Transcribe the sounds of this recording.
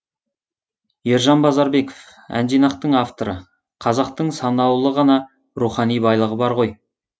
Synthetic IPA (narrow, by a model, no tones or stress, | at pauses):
je̞ɾʒɑnbɑzɑɾbe̞kof | æ̰nd̪ijnɑqt̪əɴɑft̪o̞ɾə | qʰɑzɑqt̪əɴsɑnɑwlˠəʁɑnɑ | ɾuχɑnijbɑjlˠəʁəbɑɾʁo̞j